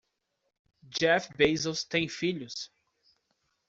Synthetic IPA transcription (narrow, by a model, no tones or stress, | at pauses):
d͡ʒɛfbejzowst̪ẽj̃fiʎʊs